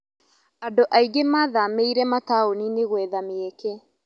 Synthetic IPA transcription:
adoʔaiɡemaðameiɾɛmataonineɣwɛðameekɛ

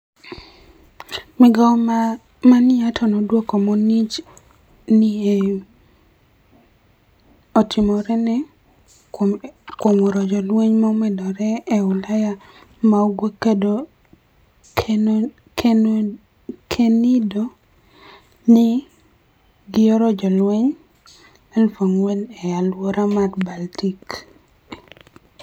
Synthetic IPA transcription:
mɪɡa | manɪatʰɔnɔdwokɔmɔnit͡ʃ | nie | otʰɪmɔɾɛnɛ | komoɾɔd͡ʒɔlweɲmɔmɛdɔɾɛːʊlaja | maoɡwekedo | kʰ | kʰenido | nɪ | ɡɪɔɾɔd͡ʒɔlwɛɲ | ɛlfoŋwelɛjalwoɾamarbaltik

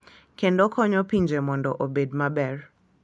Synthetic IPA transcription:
kendɔkʰɔɲɔpiɲd͡ʒemɔndɔʔobedmabɛr

